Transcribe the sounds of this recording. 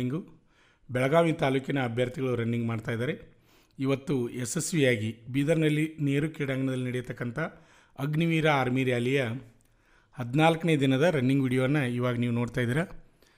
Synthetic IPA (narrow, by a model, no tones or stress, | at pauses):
iŋɡu | bɛɭɐɡaːʋit̪aːluːkinɐːbʱjɐɾt̪iɡɐɭuɾɐnːiŋɡmaːɖt̪aːjd̪aːɾe̞ | iʋɐt̪ːuesesʋiaːɡibiːd̪ɐɾnɐlːine̞ːɾukiːɽaŋɡɐɳɐd̪ɐlːinɐɽɛjɐt̪ɐkːɐnt̪ʰɐ | ɐɡniʋiːɾɐaːɾmiːɾjaːlijɐ | hɐd̪naːlɐkɐneːd̪inɐd̪ɐɾɐnːiŋɡʋiːɽijoʋɐnːɐiːʋaːɡɐniːʋunoːɖt̪aːjd̪iːɾa